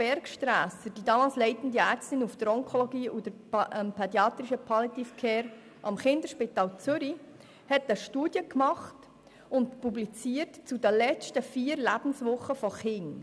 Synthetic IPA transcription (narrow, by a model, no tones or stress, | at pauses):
b̥ɛɾkʃtɾæːsəd̥iːdɑːmɑːlslɛɪtən̩d̪iæːɾt͡stɪnufd̥əɾɔŋkʰɔlɔɡiːud̥əɾmpʰɛdjɑːt̪ɾɪʃəpʰɑlitifkʰɛːɾ | ʔɑmχɪnd̪əɾʃpitɑːlt͡sʏɾi | hɛtəʃtuːd̥jəkmɑχt | ʊntpublit͡siːətt͡sudəlɛt͡ʃtəfiːɾlæb̥n̩sʋʊχːəfɔχɪŋ